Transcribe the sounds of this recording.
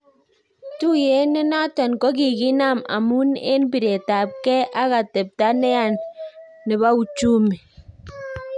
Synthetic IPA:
tu˦je˨˦nɪ˦na˦tɔ˨nkɔ˦ki˨ki˦na˦˨ma̰˨mu˦nḛ˦nbi˨ɾe˨ta˨p̚kɛ˦ʔa˦ka˨te˨p̚ta˦nɛ˦a˨nː | ɪ˨ba˦u˨t͡ʃu˦mi˨

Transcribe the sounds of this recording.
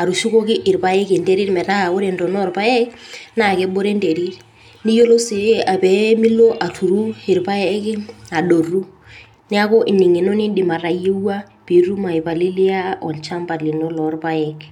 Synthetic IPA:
a˨ɾu˨ʃu˦ko˦kɪ˦ʔɪ˨ɾpa˦e˦knde˦ɾi˦ɾmɛ˨ta˦a˨o˦ɾe˨ndɔ˨nɔ˦˨ɾpa˦ɛ˦kna˨kɛ˦bo˦ɾe˦nde˨ɾi˦ɾ | ni˦jo˦lo˦si˨˦a˨pɛ˨mi˦lːo˦ʔa˨tʰu˨ɾu˦ɪ˨ɾpa˦ɛ˦kɪ˦a˨ɗo˨ru˦ | nɪ˦a˦ko˦ʔɪ˨nɪ˨ŋɪ˨no˦nɪ˦dɪ˨ma˨ra˨je˦wa˦ | pi˨ru˦ma˨i˨pa˨li˦lɪ˦a˦ɔ˨nt͡ʃa˦mba˨lɪ˨nɔ˦lɔ˨˦rpa˦ɛ˨k

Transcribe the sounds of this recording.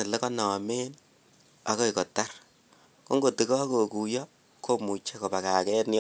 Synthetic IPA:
ɪ˨le˦kɔ˦nɔ˨me˦n | a˦ko˦i˨kɔ˨ta˦r | ko˦ŋɡo˨ti˨kɔ˦ko˨ku˨jɔ˦ | kʰo˦mu˨t͡ʃe˦ko˨ba˨ka˨kɛ˦nj

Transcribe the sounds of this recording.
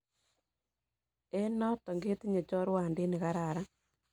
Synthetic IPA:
e˦nɔ˦tɔ˨ŋɡe˦ti˦ɲe˨t͡ʃɔ˦ɾwa˨nde˦ne˨ɣa˦ɾa˨ɾa˦

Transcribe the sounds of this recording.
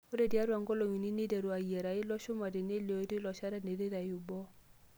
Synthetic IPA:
o˦ɾe˦˨dja˦ɾa˨ŋɡɔ˦lɔ˨ɲi˨ni˦ni˦dɛ˨ɾo˨a˨jɛ˨ɾa˨ɪ˦lɔ˦ʃʊ˦ma˨de˨ne˦lɔ˨i˦dɪ˦lɔ˨ʃa˦ɾa˦ne˨de˦ɾa˨jʊ˨bɔ˦

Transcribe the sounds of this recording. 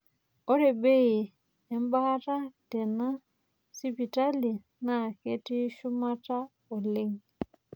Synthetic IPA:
ɔ˦ɾe˨be˦i˨ | ɛ˨m˦ba˦ha˦ta˦tɛ˨na˦ | si˦pi˨ta˦li˨ | na˨ke˦ti˦ʃu˦ma˦ta˦ | o˨le˦ŋ

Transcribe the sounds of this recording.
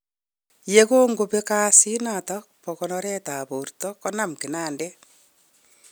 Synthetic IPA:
je˦ko˦ŋɡo˨pe˦kaː˦si˦na˨tɔk̚pɔ˨kɔnɔɾɛ˦taː˨po˨rtɔkɔ˦namkɪ˨na˦ndɛ

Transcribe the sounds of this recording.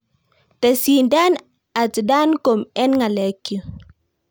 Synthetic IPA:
te˨si˨nda˦n | a˨tda˦nko˨mɛ˦nŋa˨le˨kːju˨

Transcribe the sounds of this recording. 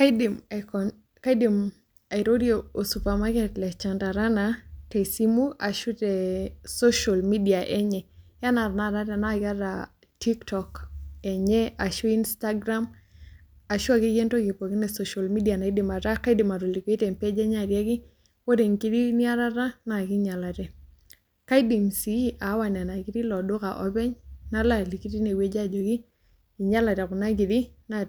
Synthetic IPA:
dmkɔ | ka˦i˦di˨m | a˨ɪ˨ɾo˦djo˨o˨su˨pa˨ma˦kɛ˦tlɛ˨t͡ʃa˨nda˨ɾa˦nate˨si˦mu˦a˨ʃu˦tɛ˨so˦ʃa˨lmi˦di˨aʔɛ˦ɲɛ˨ja˦na˨ɾna˨ɾa˦ta˨naɡa˦ɾa˨ | ti˦ktɔ˨kɛ˨ɲɛ˦a˨ʃo˦i˦nsta˦ɡɾa˦m | a˨ʃwa˦ki˦ɡe˦nto˦ɡɪ˨pɔ˨ki˦nɛ˨so˨ʃa˨lmi˦di˨a˨na˨i˦di˨ma˨ɾa˦ka˦di˨ma˨ɾo˨li˨ke˦tɛ˨mpɛ˦d͡ʒɛ˦ɲa˨ɾjɛ˦kɪ˦ | wo˦de˨ŋki˦di˦nɪ˦a˦ɾa˦ɾa˦na˨kɪ˦ɲa˨la˨tɛ˨ | ka˦i˦di˨msi˦a˨˦wa˨n˨a˨na˨ɡi˦ti˦lɔ˨dʊ˦ka̰˨ʔɔ˦bɛ˦ɲna˦la˦˨li˨ki˦ti˦ne˨we˦d͡ʒa˦d͡ʒo˨ɡi˦ | i˨ɲa˦la˨ta˨ku˨na˦ɡi˨di˦na˦

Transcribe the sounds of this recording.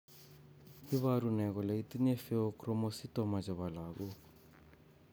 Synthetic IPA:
i˦βaɾunɛ˨ɣɔ˨la˨i˦t̪i˦nɛ˦fɛ˦ɔkɾɔ˦mɔsi˦tɔma˨d͡ʒaβa˨la˨ɣɔ

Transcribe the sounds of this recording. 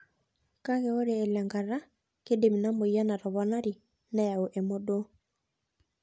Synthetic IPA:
ka˦ɣɛ˦o˦ɾeː˨lɛ˨ŋɡa˨ɾa˦ | ke˦de˨mi˨na˦mo˨ia˦na˨ɾɔ˨βɔ˨na˦ɾi˨ | na˦ja˨o˨ʔɛ˨mo˦do˦

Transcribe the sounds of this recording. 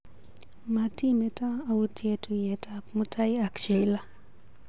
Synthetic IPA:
ma˨ti˦mɛ˦ta˦a˨u˦tʰje˦tʰu˨jɛ˨tʰa˨pmu˦tʰa˦ja˨kʃe˨la˦

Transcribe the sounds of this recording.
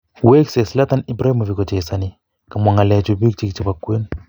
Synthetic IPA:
we˦kse˨sla˦ta˦ni˦bɾa˦i˦ma˨vi˨kɔ˨t͡ʃe˨sani˨ | ka˨ma˨ŋa˨lɛ˨t͡ʃu˨bi˦k̚t͡ʃi˦kt͡ʃi˨ba˨kwe˦n

